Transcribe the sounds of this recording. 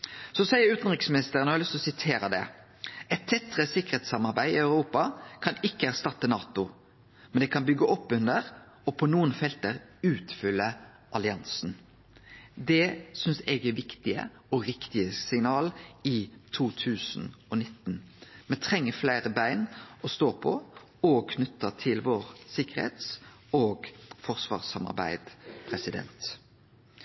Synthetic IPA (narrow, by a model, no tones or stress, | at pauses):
sɔsæɪəɾʉːt̪n̩ʁɪksmɪnɪst̪əʁənhɑɾlʏst̪ɔsɪt̪ʰeːɾəd̪ɛ̰ | ʔɛɪt̪t̪ʰːɛt̪ːʁəsɪkːəɾɛːt̪sɑmɑɾbæɪɪ̰ɑʉʁuːpɑkʰɑnɪkːəæʁst̪ɑt̪ːənɑːt̪ʊ | mɛnd̪ɛkʰɑnbʏɡːəʔɔpːʉnd̪əɾ | ɔpʰɔnuːənfɛlt̪əɾʉːt̪fʏlːə | ʔɑlɪɑnsn̩ | d̪ɛsʏnsɛɡɛʋɪkt̪ɪə̰ | ɔɾɪkt̪ɪəsɪŋnɑːlɪt̪ʰuːt̪ʰʉːsn̩ɔnɪt̪ːnmɛt̪ʰʁɛŋːəflæɪʁəbæɪnʔɔst̪oːpʰɔ | ɔkʰnʉt̪ːət̪ʰɪlʋoːʁsɪkəʁhḛːt̪s | oːɡfɔʁsʋɑ̰ːʁsɑmɑ̰ʁbæ̰ɪd̪̥pʰʁɛsɪd̪ɛ̰nt̪